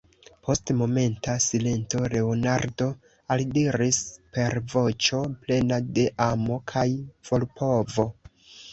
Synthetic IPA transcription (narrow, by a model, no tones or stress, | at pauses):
pʰo̞stmo̞me̞ntasile̞nto̞ɾe̞onaɾdo̞ | aldiɾispe̞ɾvo̞t͡ʃople̞nade̞ʔamo̞kʰajv̥o̞lpʰo̞vo̞